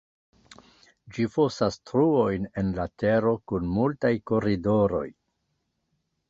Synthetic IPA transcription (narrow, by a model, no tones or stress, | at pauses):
d͡ʒifo̞sastɾuo̞jne̞nlate̞ɾo̞kunmultajko̞ɾido̞ɾo̞̰j